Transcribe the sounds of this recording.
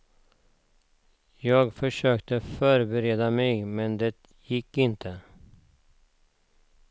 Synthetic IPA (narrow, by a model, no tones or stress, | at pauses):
jɑːɡfœʂøːkt̪əfœːɾbɛɾeːd̪amɛjmɛnd̪ɛt̪ | jɪkːɪnt̪ʰə